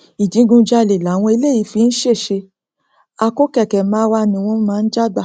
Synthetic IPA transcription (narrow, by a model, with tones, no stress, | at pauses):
i˨d͡ʒĩ˨˦ɡũ˧d͡ʒa˧le˨la˨˦w̃ɔ̃˧i˧le˦˨i˨˧˦fi˧˦n̩˦ʃe˦˨ʃe˧ | a˧ko˦kɛ˦˨kɛ˨mãː˨˦wa˧˨nĩ˧w̃ɔ̃˧˦mãː˦˧n̩˦d͡ʒa˦ɡ͡ba˦˨